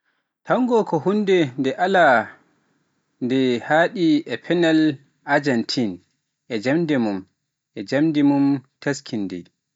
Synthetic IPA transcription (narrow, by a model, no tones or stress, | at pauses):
tʰaŋɡɔkɔhundɛndɛʔala | ndɛhaːɗiɛpʰɛnɛl | ʔad͡ʒɛntʰin | ʔɛd͡ʒamdɛmum | ʔɛd͡ʒamdɛmumtʰaskʰindɛ̰j